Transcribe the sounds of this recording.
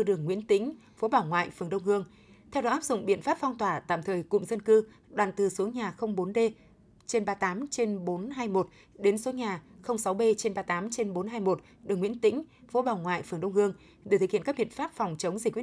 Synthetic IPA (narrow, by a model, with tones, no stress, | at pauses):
ɨ˧ɗɨ˨˩əŋːwḭ˧˥ənt̪ï˧˥ŋ̟ | fo˨˦ɓaː˨˧˩wŋwa̰ː˧˨jfɨ˨˩əŋɗə˧wŋ͡mhɨ˧əŋ | t̪ʰɛ˧wɗɔ˨˦ʔaː˦˥p̚zʊ̰˧˨ŋ͡mɓḭ˧˨ənfaː˦˥p̚fɔ˧wŋ͡mt̪waː˧˩t̪a̰ː˧˨mt̪ʰəː˨˩jkʊ̰˧˨ŋ͡mzə˧nkɨ˧ | ɗwaː˨˩nt̪ɨ˨˩su˨˦ɲaː˨˩xə˧wŋ͡mɓo˨˦nɗe˧ | t͡ɕe˧nɓaː˧t̪aː˨˦mt͡ɕe˧nɓo˨˦nɦaː˧jmo˨˩t̚ | ɗe˨˦nsu˨˦ɲaː˨˩xə˧wŋ͡msa˨˦wɓe˧t͡ɕe˧nɓaː˧t̪aː˨˦mt͡ɕe˧nɓo˨˦nɦaː˧jmo˨˩t̚ | ɗɨ˨˩əŋwḭ˧˥ənt̪ḭ̈˧˥ŋ̟ | fo˨˦ɓaː˨˩wŋwa̰ː˧˨jfɨ˨˩ŋɗə˧wŋ͡mhɨ˧əŋ | ɗt̪ɨ˨˩hḭ˧˨˧kːa˦˥k̚ɓḭ˧˨ə˨nfaː˦˥p̚fɔ˨˩wŋ͡mt͡ɕə˨˦wŋ͡mzi̟˨˩kwi˦˥